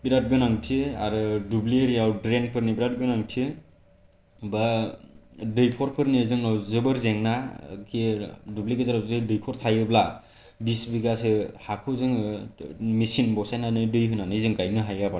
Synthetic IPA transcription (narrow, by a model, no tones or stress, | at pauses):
biɾat̚ɡɯnaŋtʰiaɾɯdubliɾiawdɾenpʰɯɾnibiɾat̚ɡɯnaŋtʰi | ba | dɯjpʰɔɾpʰɯɾnizɯŋɔzɯbɯɾzeŋnakidubliɡɯzaɾazdɯdɯjkʰɔɾtʰajɯbla | bisbiɡasɯhakʰuzɯŋ | misinbɔwsajnanɯdɯjɦɯnanɯzɯŋɡajnɯɦajɡaba